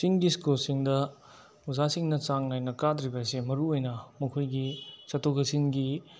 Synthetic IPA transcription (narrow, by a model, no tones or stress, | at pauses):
siŋɡiskulsiŋdɐ | uzasiŋnɐt͡ʃaŋnajnɐkadɾibɐsemɐɾuojnɐmɐkʰojɡisɐtʰokɐsiŋɡi